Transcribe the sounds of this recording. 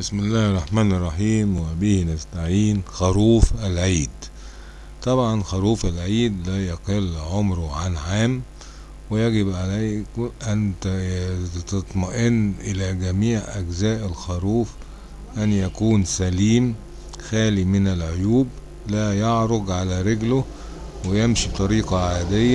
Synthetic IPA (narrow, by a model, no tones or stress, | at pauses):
bɪsmɪlːæːhɑrˤːɑħmaːnɑrˤːɑħiːmwɪbihnast̪aʕiːnxɑɾuːfʔalʕiːd̪ | t̪ˤɑbʕɑnxɑɾˤuːfalʕiːd̪læːjɑqelʕomɾʊʕanʕaːm | wɪjæɡɪbʕalajkʔænt̪ | t̪ɑt̪ˤmɑʔɪnːʔɪlæɡæmiːʕʔæɡzæːʔælxɑɾˤuːf | ʔænjækuːnsæliːm | xæːlimɪnælʕojuːb | læːjɑʕɾˤoɡ̪ʕalæɾeɡlʊ | wɪjemʃibt̪ˤɑɾiːqɑʕaːd̪ɪjːæ